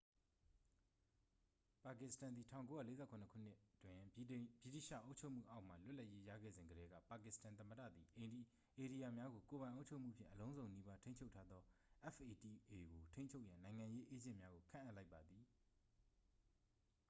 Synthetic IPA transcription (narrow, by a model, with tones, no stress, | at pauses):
pa˨kɪ˨stã˨nd̪i˨tʰã̰˦˨ʊ̃ko˦ja̰˦˨le˦zɛ˦˨kʰʊ̃˨nəkʰṵ˦˨n̥ɪ˦ʔtwɪ̃˨bi˦˨tḭ˦˨ʃä̰˦˨ʔo˦ʊt͡ɕʰo˦˨ʔm̥ṵ˦˨ʔa˦ʊʔm̥a̰˨lʊ˦ʔla˦ʔje˦jä̰˦˨ɡɛ̰˦˨zɪ̃˨ŋɡəɾɛ˦ɡä̰˦˨pa˨kɪ˨stã˨nt̪̬ə˨mə˨dä̰˦˨d̪i˨ʔẽ˨ | ʔe˨ɾi˨ja˨mja˦ɡo˨ko˨βã˨ɪ̃ʔo˦ʊt͡ɕʰo˦ʊʔm̥ṵ˦˨pʰjɪ̰̃˦˨ʔəlõ˦ʊ̃zõ˨ʊ̃ni˦ba˦tʰẽ˦ɲt͡ɕʰo˦ʊtʰːa˦d̪ðɔ˦ʔɛ˦fʰe˨ti˨ʔe˨ɡo˨tʰẽ˦ɲt͡ɕʰo˦ʊʔjã˨nã˨ɪ̃ŋã˨je˦ʔe˦d͡ʑɪ̰̃˦˨mja˦ɡo˨kʰã̰˦ʔa˦ʔla˦ɪpːa˨d̪ði˨